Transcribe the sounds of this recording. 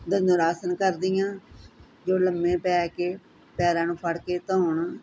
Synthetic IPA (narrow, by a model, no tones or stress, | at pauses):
d̪ənʊɾaːsənkəɾd̪ɪjãː | d͡ʒoːləmːẽːpɛːkeː | pɛːɾãːnũːpʰəɽkeːt̪oːɳ